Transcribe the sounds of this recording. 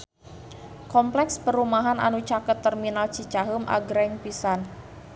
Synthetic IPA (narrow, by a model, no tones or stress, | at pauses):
kɔmplɛkspəɾumaɦana̰nut͡ʃakət̪ːərminalt͡ʃit͡ʃaɦumʔa̰ɡɾɛŋpisan